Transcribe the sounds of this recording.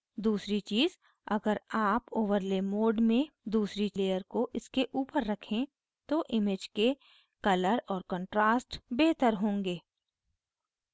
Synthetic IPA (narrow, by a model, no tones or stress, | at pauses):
d̪uːsɾit͡ʃiːz | ɐɡəɾaːpoːʋəɾleːmoːɖmẽd̪uːsɾileːjəɾkoʔɪskeʔuːpəɾːɐkʰẽ | t̪oʔɪmed͡ʒke | kɐləɾɔːɾkə̃ːɳʈɾaːsʈbeːɦt̪əɾɦõːŋɡeː